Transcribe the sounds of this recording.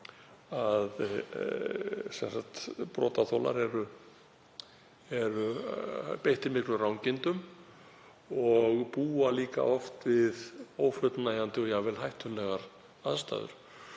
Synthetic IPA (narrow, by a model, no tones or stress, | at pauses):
að | sɛnsaht̪pɾɔ̰ːt̪aθowla̰ɾɛɾʏ | ɛɾʏ | pejht̪ɪɾmɪhklʏrawŋcɪnt̪ʏm | ɔɣpuːaliːka̰ʔɔft̪vɪðoːwfœt̪naːjant̪ɪɔjaɣvɛlɦajht̪ʏnlɛɣaɾ | aðst̪a̰ːðʏ̰ɾ̥